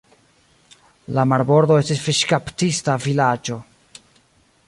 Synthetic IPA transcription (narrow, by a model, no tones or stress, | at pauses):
lamaɾbo̞ɾd̪o̞e̞stisfiʃkaptistavilad͡ʒo̞